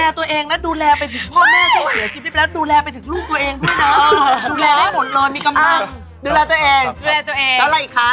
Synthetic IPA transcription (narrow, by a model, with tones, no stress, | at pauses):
lɛː˧t̪u˧ɐʔeː˧ŋla˦˥duː˧lɛː˧pa˧jt̪ʰɯ˨˩˦ŋkʰɔː˥˩aː˥˩o˧˩si˨˩˦sʰiː˧˩p̪̚i˦˥˩lːduː˧lɛː˧pa˧jt̪ʰɯ˩˦ŋluː˥˩k̚t̪u˧ɐʔeː˧ŋdʰu˥˩jna˦˥duː˧lɛː˧ha˥˩mʰo˨˩˦n̚lɤː˧jmiː˧ka˧mla˧ŋ | duː˧lɛː˧t̪u˧ɐʔeː˧ŋː˧ɛː˧t̪u˧ʔeː˧llɛ˦˥wla˧˩ʔiː˨˩kʰːa˦˥